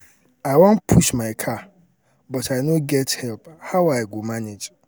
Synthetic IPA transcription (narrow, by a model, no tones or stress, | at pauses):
aɪwɔ̃npʰuʃmãɪkʰa | bɔtʰaɪnõɡɛthɛlphawaɪɡomaned͡ʒ